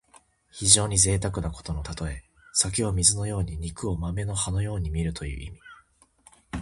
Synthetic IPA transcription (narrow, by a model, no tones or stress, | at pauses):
çiʑo̞ːɲ̟ize̞ːt̪ak̬ɯ̟nako̞̥t̪o̞no̞t̪at̪o̞e̞ | sak̬ʲio̞mʲizɨno̞jo̞ːɲ̟iɲ̟ikɯ̟o̞mame̞no̞hano̞jo̞ːɲ̟imʲiɾɯ̟t̪o̞jɯ̟̰ːʔimʲi̥